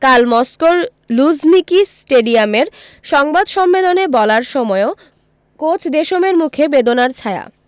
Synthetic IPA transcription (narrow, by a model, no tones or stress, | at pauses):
kalmɔskoɾ | lud͡ʑnikisʈeɖiameɾ | ʃɔŋbad̪ʃɔmːelonebɔlaɾʃɔmɔeo | kot͡ɕʰd̪eʃomeɾmukʰebed̪onaɾt͡ɕʰaea̰